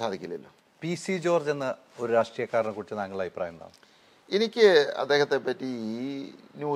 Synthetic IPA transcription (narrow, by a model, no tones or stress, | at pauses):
saːd̪ʱikʲːilːɐlːo̰ː | pisid͡ʑo̞ːrd͡ʑenːɨ | oɾuɾaːʂʈrijɐkːaːɾɐɳɐkuɽit͡ɕːɨnaːŋːɐɭaːjipra̰ːjɐmd̪a̰ːɳɨ | enikʲːɨɐ̰d̪ːe̞ːhɐt̪ːe̞pːɐtːiiːnjuː